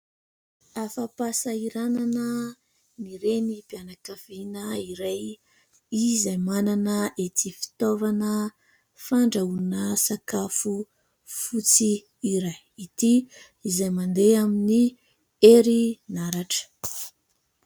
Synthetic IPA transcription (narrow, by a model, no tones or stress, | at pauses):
afapasaiɾananə | niɾenipianakav̥inəiɾaj | izajmananəʔet̪ifi̥t̪ovanə | faɳɖ͡ʐaunəsakafu | fut͡si | iɾajit̪i | izajmand̪eamini | eɾinaɾaʈ͡ʂə̥